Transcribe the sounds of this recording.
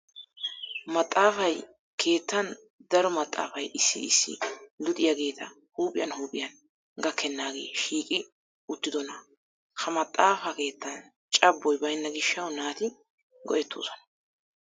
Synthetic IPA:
mɐt̪ʼːaːfɐj | kʰe̞ːt̪ːɐn | d̪ɐɾɔmɐt̪ʼːa̰ːfɐjɪsːɪ̰ɪsːɪ̰lʊt̪ʼɪjaɡe̞ːt̪ʰɐ | huːpʼɪjɐnhuːpʼɪjɐn | ɡɐkʰːɛnːaːɡe̞̰ːʃiːkʼɪ | ʊt̪ːɪd̪ɔnɐ | kʰɐmɐt̪ʼːaːfɐke̞ːt̪ːɐn | t͡ʃʼɐbːɔjbɐjnːɐɡɪʃːɐwnaːt̪ɪ | ɡɔʔɛt̪ːo̰ːsɔnɐ̥

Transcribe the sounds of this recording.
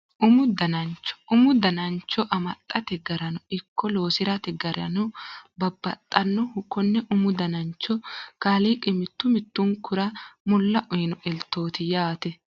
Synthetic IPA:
ʔʊmʊd̪ɐnɐnt͡ʃːɔ̥ʊmʊd̪ɐnɐnt͡ʃːɔʔɐmɐt̪ʼːɐt̪ɛɡɐɾɐnʊɪkːɔlo̞ːsɪɾɐt̪ɛɡɐɾɐ̰nʊbɐbːɐt̪ʼːɐnːɔhʊkːɔnːɛʔʊmʊd̪ɐnɐnt͡ʃːɔkaːliːkʼɪmɪt̪ːʊmɪt̪ːʊŋkʊɾɐmʊlːɐʔʊjnɔʔɛlt̪ːo̞ːt̪ɪjaːt̪ɛ

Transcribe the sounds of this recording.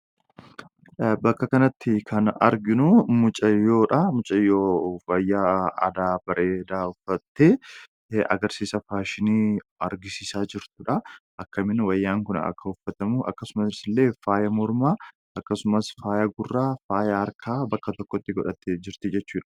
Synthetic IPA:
bɐkːɐkɐnɐt̪ːɪkʰɐnɐ̰ɾɡɪnumʊt͡ʃʼɐjo̞ːᶑɐmʊt͡ʃʼɐjoːwɐjːaːɐ̰d̪aːbɐɾeːd̪aːʊfːɐt̪ːeː | ɐ̰ɡɐɾsiːsɐfaːʃɪniːɐɾɡɪsiːsaːd͡ʒɪɾt̪ʊᶑɐʔɐkːɐmɪnwɐjːaːŋkʊnɐ̰kːɐʊfːɐt̪ɐmʊʔɐ̰kːɐsʊmɐsɪsɪlːe̞ːfaːjɐmɔɾmaː | ʔɐkːɐsʊmɐsfaːjɐɡʊrːaːfaːjɐɐɾkʰaːbɐkːɐt̪ɔkːɔt̪ːɪɡɔᶑɐt̪ːed͡ʒɪɾt̪ɪd͡ʒɛt͡ʃːuːᶑɐ̥

